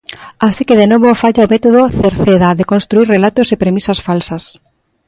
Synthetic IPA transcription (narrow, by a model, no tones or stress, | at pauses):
asikeðenoβofaʎaomet̪oðoθeɾθeðaðekonst̪ɾuiɾrelat̪osepɾemisɐsfalsɐs